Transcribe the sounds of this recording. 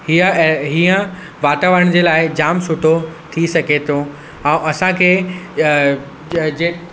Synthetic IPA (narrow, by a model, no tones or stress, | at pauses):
hiəɦiːə̃ | ʋaːt̪aːʋəɾəɽ̃d͡ʑeːlaːɪd͡ʑaːmsʊʈʰot̪ʰisɐɡʱet̪ʰõ | ɛ̃ũʔɐsãkʰeː | d͡ʑe